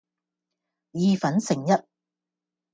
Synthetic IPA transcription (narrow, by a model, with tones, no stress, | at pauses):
jiː˨˧fɐ˨˥nsɪ˨˩ŋjɐ˦˥t̚